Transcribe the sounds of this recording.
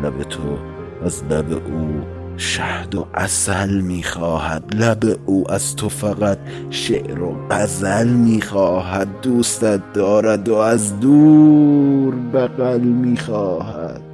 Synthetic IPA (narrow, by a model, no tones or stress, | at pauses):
læbet̪ʰo | æzlæbḛʔuː | ʃæhd̪oʔæ̰sælmiːxɒːhæ̰d̪læbeʔuːʔæz̥t̪ʰofæɣæt̪̚ | ʃeʔɾoɢæzælmiːxɒːɦæd̪̚ːuːst̪æt̪̚d̪ɒːɾæd̪oæzd̪uː | ɾbæɣælmiːxɒːhæ̰d̪̥